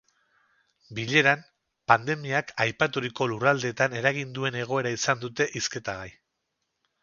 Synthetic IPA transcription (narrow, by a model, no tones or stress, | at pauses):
biʎe̞ɾan | pand̪e̞miakajpat̪uɾiko̞lurald̪e̞t̪ane̞ɾaɣind̪ue̞ne̞ɣ̞o̞e̞ɾaisand̪ut̪e̞ʔiske̞t̪aɣaj